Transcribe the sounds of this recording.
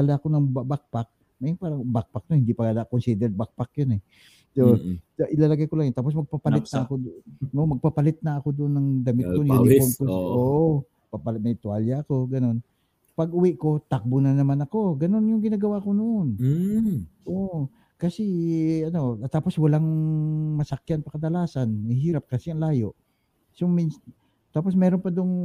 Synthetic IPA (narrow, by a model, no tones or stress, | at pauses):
alakonɐŋbabak̚pak̚ | mɐjʊŋpaːɾɐŋbak̚pak̚nohɪnd̪ipɐɡalaʔkonsid̪ɛɾbak̚pak̚jonɛ | sooʔɪlaːlɐɡajkolaŋjʊnt̪aːpos̬mɐɡ̚papɐlɪt̪̚nɐɐkod̪nomɐɡ̚papɐlɪt̪̚nɐːko̞d̪ʊʔonːɐŋd̪amɪt̪ːkonjankomkosʔoʔo | papalmɐjt̪waljaɐko̞ɡɐno̞n | pɐɡʔʊwiʔko̞t̪ak̚bʊnɐnɐmanɐko̞ɡɐno̞njʊŋɡɪnaːɡɐwakonoʔon | ʔoʔ | kɐsɛɐno̞t̪aːpo̞swɐlaŋmɐsɐkjanpɐkɐd̪ɐlaːsanmɪɦiːɾap̚kɐsɛɐŋlaːjo̞ʔ | somins | t̪aːposmɛːɾonpɐd̪ʊŋ